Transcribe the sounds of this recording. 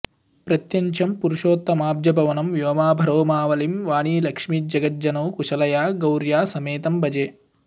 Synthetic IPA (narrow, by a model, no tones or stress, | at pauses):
pɾɐt̪jɐɲt͡ʃʰɐmpuɾuʃoːt̪ːɐmaːbd͡ʒjɐbʱɐʋɐnɐmʋjoːmaːbʱɐɾoːmaːʋɐlimʋaːɳ̃iːlɐkʂmiːd͡ʒɐɡɐt̪̚d͡ʒɐnɐwkuʃɐlɐjaːɡɐwɾjaːsɐmeːt̪ɐmbɐd͡ʒeː